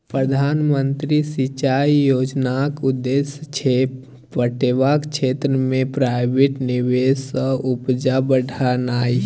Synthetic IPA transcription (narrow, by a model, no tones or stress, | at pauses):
pɾəd̪ʱaːnmənt̪ɾisit͡ʃaijoːd͡ʒnakud̪ːesət͡ʃʰe | pəʈeʋakt͡ʃʰet̪ɾəmẽpɾaɪbeʈniʋesə̃upd͡ʒabəɖʱanaːi